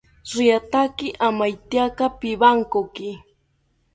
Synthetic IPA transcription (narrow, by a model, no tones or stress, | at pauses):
ɾɪjat̪akɪʔamajt̪jakapɪbaŋkokɪ